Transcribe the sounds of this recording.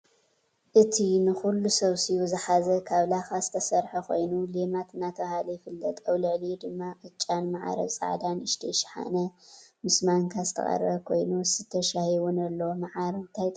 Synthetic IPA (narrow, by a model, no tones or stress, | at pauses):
ʔɨt̪ʰinɨxulːusɐβsijuzɨħazɐkʰaβlaxazɨt̪ʰɐsɐɾħɐkʰo̞̰jnulemat̪ʰɨnːat̪ʰɐβahalɐjɪfɨlːɐt̪ʼɐwlɨʕlid̪ɨmːaʔʼɨt͡ʃʼːanmaʕa̰ɾɐ̰βsʼa̰ʕd̪anɨʃt̪ʰiʃħa̰nɐmɨsmaŋkʰazɨt̪ʰɐ̰χʼɐ̰ɾɐβkʰo̞jnusɨt̪ʰːɐʃahjwunɐlːɐwomaʕaɾt̪ʰajt̪ʼ